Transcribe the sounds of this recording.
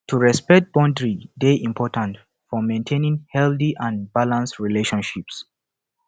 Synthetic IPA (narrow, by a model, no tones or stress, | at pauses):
tʰuɹɛspɛk̚t̚b̥ɔ̃ndɹideʔĩmpʰɔtãnt | fɔmẽntʰẽnĩŋhɛldiʔãnbalãnstɹileʃɔ̃nʃips